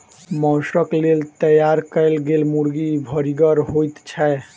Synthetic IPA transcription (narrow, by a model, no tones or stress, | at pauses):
mɔsəklelt̪əjaɾkəɪlɡelmuɾɡibʱəɾiɡəɾɦojt̪t͡ʃʰɛ